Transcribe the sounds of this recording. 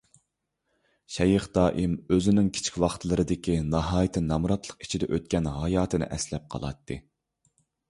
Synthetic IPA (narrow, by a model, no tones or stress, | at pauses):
ʃɛjɨχd̪̥ɑːʔimøzɪnɪŋkʲʰt͡ʃʰi̥kʲwɑχt̪ʰlˠɨɾɨd̪ɪkʲinɑɦɑːjt̪ʰɪnɑmuɾɑt̪ʰlˠəqi̥t͡ʃʰid̪ɛʔøt̪̚kʲɛnɦɑjɑːt̪ʰɨnɨ̰ʔɛslɛp̚qʰɑ̰lˠɑ̰t̪ʰːɨ